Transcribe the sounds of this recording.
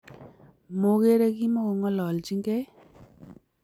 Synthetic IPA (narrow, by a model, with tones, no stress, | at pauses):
mo˨ke˦ɾe˦ki˦mɔ˦kɔ˨ŋɔ˦lɔ˨lt͡ʃi˦ŋɡɛ˦